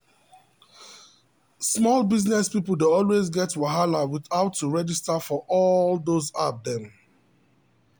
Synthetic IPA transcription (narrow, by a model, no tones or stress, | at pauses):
smɔlbiznɛspipl̩ˠdeɔlwezɡɛtwaɦalawiθaʊtʰːuɹɛd͡ʒistafɔʔɔldozadɛ̃m